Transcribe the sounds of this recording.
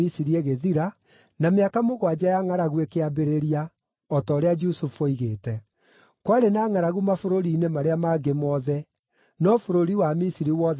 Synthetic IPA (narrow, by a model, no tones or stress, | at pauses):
isiɾieɣeðiɾa | nameakamoɣwad͡ʒajaŋaɾaɣwekeabeɾeɾia | ɔtɔːɾead͡ʒusufoiɣeːtɛ | kwaɾenaːŋaɾaɣumafoɾoɾiːnemaɾeamaɡemɔðɛ | nɔfoɾoɾiwamisiɾiwɔ